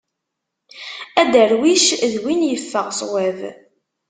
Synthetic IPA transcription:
æd̪əɾwiʃðwinjəfːəʁsˤwæv

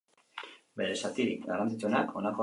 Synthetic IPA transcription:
be̞ɾe̞sat̪iɾikɡarant͡sit͡suenakʰo̞nako

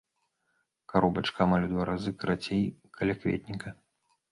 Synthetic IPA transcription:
kaɾɔbɐt͡ʂkɐmɐlʲud̪vaɾʔazɨkɾat͡sʲejkʰɐlʲakvʲḛt̪̚ʲnʲikɐ

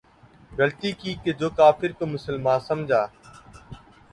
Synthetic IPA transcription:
ɡəlt̪iːkiːked͡ʒoːkaːfʰɪɾkoːmʊsəlmãːnsəmd͡ʒʱaː

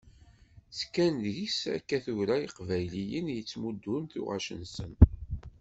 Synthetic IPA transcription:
skːænjisæ̰kːæθuɾæiqvæjlijənjət͡sːmud̪ːʊnθṵʁæ̰ʃənsən

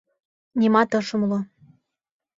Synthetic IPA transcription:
nʲimɑt̪ɤ̆ʃɤ̆mlo

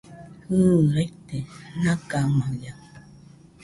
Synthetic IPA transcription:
huɾajt̪enãkamãja

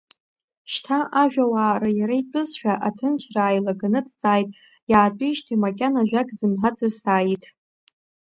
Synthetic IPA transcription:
ʃtʰaʔaʒᶣawaːrajaɾajt͡pʷʼɨzʃᶣaʔatʰɨnt͡ʃʰraːjlaɡanɨdt͡sʼaːjtʼ | jaːt͡pʷʼiʃtʰimakʲʼanaʒᶣakʼzɨmħat͡sʰʼɨsaːjitʼ

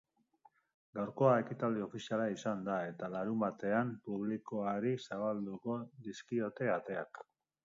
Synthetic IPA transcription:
ɡawɾko̞ae̞kit̪ald̪io̞fisialaisand̪ae̞t̪alaɾumbat̪e̞ampuβ̞liko̞aɾisaβald̪uko̞ðiskio̞t̪e̞at̪e̞a̰k

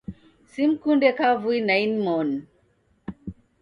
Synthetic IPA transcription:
simkundɛkavuinajnmɔn

